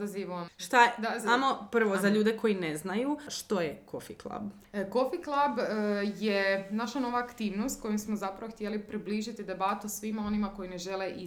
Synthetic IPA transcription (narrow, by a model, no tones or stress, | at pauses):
aziʋoʃt̪ad̪aamopr̩ʋozaʎuːd̪eko̞jineznajuʃt̪o̞jekʰofiklˠa̰b | ko̞fiklˠabjenaʃano̞ʋaːkt̪iːʋnost̪ko̞jimsmozapɾaʋoxt̪jelipɾibliːʒit̪id̪e̞bat̪usʋimao̞nimako̞ine̞ʒe̞leʔi